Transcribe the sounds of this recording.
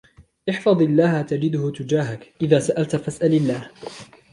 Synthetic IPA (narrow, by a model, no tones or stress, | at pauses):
ʔɪħfɑðˤɪlːaːhat̪ad͡ʒɪd̪ʊhʊt̪ʊd͡ʒaːɦakʔɪðaːsaʔalt̪fasʔalɪlːaːh